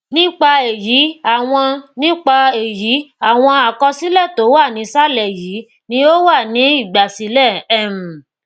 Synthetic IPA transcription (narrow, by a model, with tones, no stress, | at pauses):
nĩ˦k͡pa˧e˨ji˨˦a˦˨w̃ɔ̃˧nĩ˦k͡pa˧e˨ji˨˦a˦˨w̃ɔ̃˧a˨kɔ˧si˦lɛ˦˨to˨˦wa˦˨nĩ˨˦sa˦lɛ˨jiː˨˦ | nĩ˦o˦wa˦˨nĩ˨˦i˦˨ɡ͡ba˨si˨˦lɛ˦˨ɛ˦˨m̩̃˨